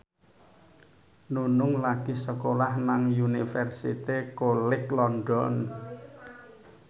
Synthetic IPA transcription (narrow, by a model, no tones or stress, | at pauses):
nunʊŋlaɡ̥isəkolahnaŋjunifɛrsit̪ekolɪklɔnɖɔn